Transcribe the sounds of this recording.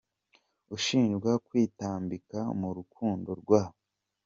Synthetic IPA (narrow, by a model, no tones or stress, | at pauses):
uʃiːnʒɡwakwiːtaːmbikamuɾukʰuːndo̞ɾɡwaːβo